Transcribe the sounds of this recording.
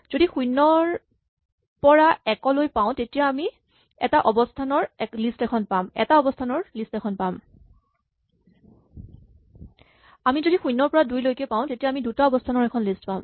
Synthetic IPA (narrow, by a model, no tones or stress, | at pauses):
z̥odixujnːɔɹ | pɔɹaɛkɔlojpaʊ̃tetijaːmi | ɛtaʔɔbɔstʰanɔɹɛklistɛkʰɔnpamɛ̰taɔbɔstʰanɔɹlistɛkʰɔnpam | amizoɾixujnːɔɹpɔɹadujlojkɛpaʊ̃tetijaamidutaɔbɔstʰanɔɹɛkʰɔnlistpam